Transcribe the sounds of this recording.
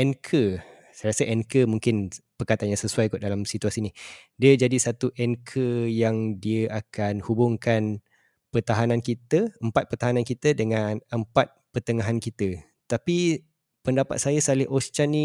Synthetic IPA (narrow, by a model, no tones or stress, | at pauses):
ʔɛnkʰə | sajasəʔɛnkəmũŋkɪnpərkat̪anjãsəsuajkut̪̚dalamsit̪uasinidiəd͡ʒadisat̪uʔɛnkʰəjaŋdiəʔakanhubʊŋkan | pərt̪aɦanãnkit̪əəmpat̪̚pərt̪aɦanankit̪ədəŋanəmpat̪̚pərt̪əŋaɦankit̪ə | t̪api | pəndapa̰t̪̚sajəsalɪʔost͡ʃani